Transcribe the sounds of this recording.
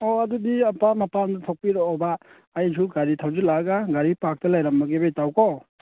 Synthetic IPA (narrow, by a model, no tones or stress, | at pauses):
oɐdudiɐpamɐpandɐtʰok̚piɾɔɔbaː | jsʰuɡaɾitʰawzilaɡaɡaɾipak̚tɐlajɾamːɐɡebejtawko